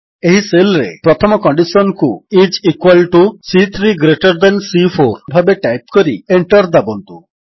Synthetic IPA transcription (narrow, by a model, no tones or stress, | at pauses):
eɦiselɾḛpɾɔt̪ʰɔmɔkɔɳɖisɔnkuid͡ʒikwalʈusit̪ʰɾiɡɾeʈɔɾd̪ansifʰoɾbʱabeʈajp̚kɔɾḭeɳʈɔɾd̪abɔnt̪u